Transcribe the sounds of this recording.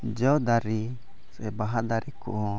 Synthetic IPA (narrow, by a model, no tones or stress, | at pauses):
d͡ʒɔd̪aɾi | sɛbaɦad̪aɾikṵʔ